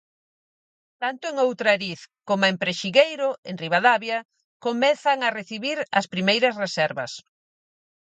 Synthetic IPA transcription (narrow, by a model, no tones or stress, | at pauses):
t̪ant̪ʊeŋowt̪ɾɐɾiθkomoempɾeʃiɣejɾʊeŋriβaðaβjɐ | komɛθɐŋɐreθiβiɾɐ̰spɾimejɾɐsresɛɾβɐ̰s